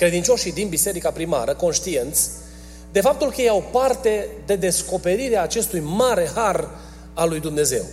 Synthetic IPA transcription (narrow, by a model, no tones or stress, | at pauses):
kɾe̞d̪int͡ʃo̞ʃid̪inbise̞ɾikapɾima̰ɾəko̞nʃt̪ie̞nt̪sʲ | d̪e̞fap̚t̪ulkəjeawpart̪e̞d̪e̞d̪e̞sko̞pe̞ɾiɾeaːt͡ʃe̞st̪ujmaɾe̞har | alujd̪umne̞ze̞̰w